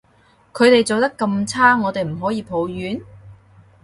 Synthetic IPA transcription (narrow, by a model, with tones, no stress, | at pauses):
kʰɵ˨˧ɥt̪e˨jt͡so˨wt̪ɐ˥kːɐ˧mt͡sʰaː˥ŋɔː˨˧t̪e˨jm̩˨˩ɦɔː˨˥jiː˨˧pʰo˨˧˥wjyː˨˥n